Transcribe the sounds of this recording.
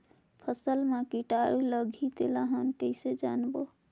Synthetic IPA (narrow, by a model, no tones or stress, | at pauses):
pʰəsəlmãkiʈaɾiləɡʱid̪elaɦənkəjsed͡ʒa̰nbo